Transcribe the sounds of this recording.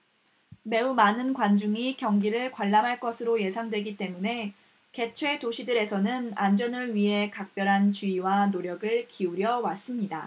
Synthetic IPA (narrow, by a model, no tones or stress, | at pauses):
me̞umanɯnkwand͡ʑuŋikjʌŋɡiɾɯɭkwaɭːamɦaɭk͈ʌsʰɯɾoje̞sʰaŋdwe̞ɡit͈e̞mune̞ | ke̞t͡ɕʰwe̞toɕʰidɯɾe̞sʰʌnɯnand͡ʑʌnɯɭɥiɦe̞kak̚p͈jʌɾɦant͡ɕiiwanoɾjʌɡɯɭkiuɾjʌwas͈ɯmɲida